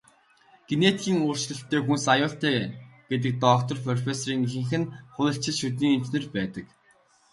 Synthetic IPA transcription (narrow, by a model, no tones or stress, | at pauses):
ɡ̥enet̪xʲiːŋʊːr̥t͡ɕɮə̆ɬt̪ːeːxunsajʊːɬt̪æːɡ̥et̪̬ɘ̆k̚t̪ɔk̚t̪ʰɞ̆rpʰɔrfesɔriːŋixɘ̆ŋxɘ̆nχʊjʲə̆ɬt͡ɕʰɪ̆t͡ɕʃɵt̪̬niːŋin̥t͡ɕnĕrpæːt̪ə̆k